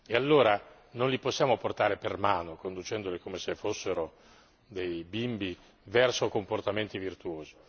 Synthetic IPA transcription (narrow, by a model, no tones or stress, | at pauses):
ealːoːɾa | nonliposːjaːmoport̪aːɾepermaːnokond̪ut͡ʃɛnd̪olikomesefːosːeɾo | d̪ejbimbi | vɛrsokomport̪ament̪ivirt̪uoːzi